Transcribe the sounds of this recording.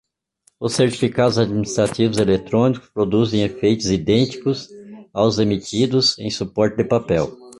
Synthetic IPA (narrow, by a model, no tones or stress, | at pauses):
ʊsːeɾt͡ʃi̥fikad̪ʊzad͡ʒ̪minist̪ɾat̪ivʊzelet̪ɾõnikʊ̥spɾod̪uzẽj̃efejt̪ʊzid̪ẽnt͡ʃ̪i̥kʊzawzemit̪id̪ʊzẽj̃supɔɾt̪ɪd̪ɪpapɛw